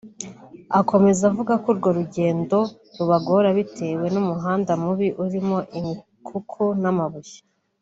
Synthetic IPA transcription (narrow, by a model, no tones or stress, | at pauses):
ako̞me̞zavuɡakuɾɡo̞ɾuɟe̞ːndo̞ | ɾuβaɡo̞ɾaβitʰe̞we̞numuɦaːndamuβiʔuɾimo̞ʔimi | kʰukʰunamaβujḁ